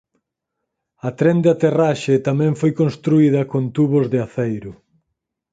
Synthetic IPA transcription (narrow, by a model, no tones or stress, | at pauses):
ɐt̪ɾend̪eat̪eraʃet̪amɛ̃ɱfojkõnst̪ɾuið̞ɐkont̪uβozðɪaθejɾʊ